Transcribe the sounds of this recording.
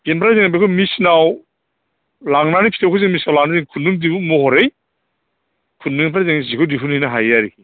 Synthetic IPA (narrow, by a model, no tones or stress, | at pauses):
ɡenpʰaɾazeŋabekʰɔmisnaw | laŋnanipʰitʰawkʰɔzeŋmisnawlaŋnazeŋkʰunːuŋdiumɔhɔɾej | kʰunːuŋnpaɾazeŋizikʰɔdipʰunhijnaɦajaɾiki